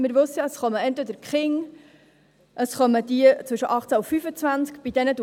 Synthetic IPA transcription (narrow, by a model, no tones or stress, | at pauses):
mɪɾʋʉsəjɑəsχœməɛntʋɛd̪əɾkχɪŋ | ʔəsχœməd̪iət͡sʋʏʃəʔɑχt͡sæufyfət͡svænskb̥id̥ɛnəd̪